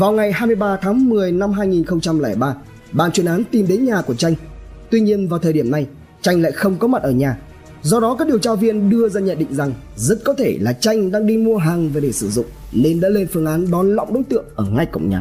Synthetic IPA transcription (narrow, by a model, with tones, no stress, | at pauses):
vaː˨˩wŋa˨˩jɦaː˧jmɨ˧əjɓaː˧t̪ʰaː˨˦ŋmɨ˨˩əjna˧mɦaː˧jŋi˨˩nxə˧ŋ͡mt͡ɕa˧mlɛː˧˩jɓaː˧ | ɓaː˨˩nt͡ɕwi˨˩ənʔaː˨˦nt̪i˨˩mɗe˨˦nɲaː˨˩ku˧˩ət͡ɕa˧jŋ | t̪wi˧ɲi˧ənvaː˨˩wt̪ʰəː˨˩ɗi˧˩əmna˧j | t͡ɕa˧jŋ̟la̰ː˧˨jxə˧wŋ͡mkɔ˨˦ma˨˩t̚ʔəː˧˩ɲaː˨˩ | zɔ˧ɗɔ˨˦kaː˦˥k̚ɗi˨˩əwt͡ɕaː˧vi˧ənɗɨ˧əzaː˧ɲə̰˧˨nɗḭ˧˨ŋ̟za˨˩ŋ | zə˦˥t̚kɔ˨˦t̪ʰe˧˩laː˨˩t͡ɕa˧jŋ̟ɗaː˧ŋɗi˧mu˧əɦaː˨˩ŋve˨˩ɗe˧˩sɨ˧˩zʊ̰˧˨ŋ͡mne˧nɗa̰ː˧˥le˧nfɨ˧əŋʔaː˨˦nɗɔ˨˩nlə̰˧˨wŋ͡mɗə̰˨˦ŋ͡mt̪ɨ̰˧˨əŋʔəː˧˩ŋa˧jkə̰˧˨ŋ͡mɲa̰ː˨˩